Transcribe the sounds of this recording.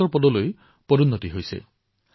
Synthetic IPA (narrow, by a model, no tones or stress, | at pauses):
ɔɹpɔd̪ɔloj | pɔɾunːɔt̪iɦojsḛ